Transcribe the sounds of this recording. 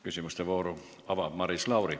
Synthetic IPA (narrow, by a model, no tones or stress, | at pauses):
kysymyst̪eʋoːru | ɑʋɑmɑrislɑuri